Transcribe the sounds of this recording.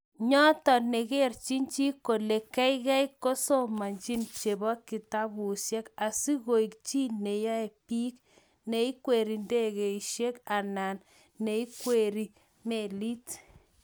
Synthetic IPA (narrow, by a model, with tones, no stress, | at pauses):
ɲɔ˦tɔ˨ne˨ke˦ɾt͡ʃi˦nt͡ʃi˦ko˨le˨kɛ˦i˦ɣɛ˦jko˦so˦ma˨ɲt͡ʃi˦nt͡ʃe˨bɔ˦kːi˨ta˦bu˨sjɛ˦ka˨si˦ɣo˨i˨k̚t͡ʃi˦ne˨ja˦ɛ˨pi˦k | ne˨i˦kwe˨ɾi˨nde˦ɣe˨i˨ʃje˦ka˨na˨nː | e˨i˦kwe˨ɾi˦ | me˨li˦t